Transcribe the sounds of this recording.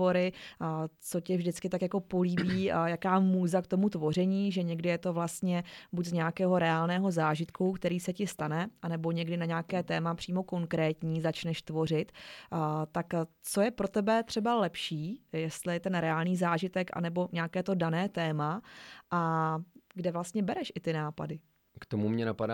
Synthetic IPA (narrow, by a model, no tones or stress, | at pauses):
o̞ɾɪ | t͡so̞cɛvʒdɪt͡skɪt̪akjako̞poliːbiːjakaːmuːzakt̪o̞mut̪vo̞r̝ɛɲiːʒɛɲɛɡdɪjɛt̪o̞vlast̪ɲɛbuɟzɲɛakɛːɦo̞ɾɛaːlnɛːɦo̞zaːʒɪt̪kukt̪ɛɾiːsɛcɪst̪anɛʔanɛbo̞ɲɛɡdɪnaɲaːkɛːt̪ɛːmapr̝̥iːmo̞ko̞ŋkɾɛːt̪ɲiːzat͡ʃnɛʃt̪vo̞rɪt̪ː | t̪akt͡so̞jɛpɾo̞t̪ɛbɛt̪r̝̥ɛbalɛpʃiːjɛst̪lɪjɛt̪ɛnɾɛaːlɲiːzaːʒɪt̪ɛkʔa̰nɛbo̞ɲɛakɛːt̪o̞danɛːt̪ɛːmaʔa | ɡdɛvlast̪ɲɛbɛɾɛʃʔɪt̪ɪnaːpa̰dɪ | kt̪omumɲɛnapada